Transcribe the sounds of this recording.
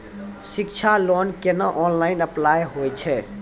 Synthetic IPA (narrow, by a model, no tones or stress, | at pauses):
sikt͡ʃʰalonkenəʔɔnlainəplajɦojt͡ʃʰɛ